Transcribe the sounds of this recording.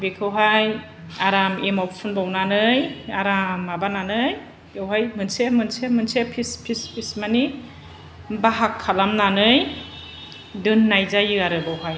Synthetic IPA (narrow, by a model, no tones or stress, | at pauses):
bekʰɯwɦaj | aɾamemɔwpʰɯnbawnanɯjaɾamːabananɯj | ewɦajmɯnsemɯnsemɯnsepʰispʰispʰismani | baɦakʰːalamnanɯj | dɯnːajzajɯaɾɯbawɦaj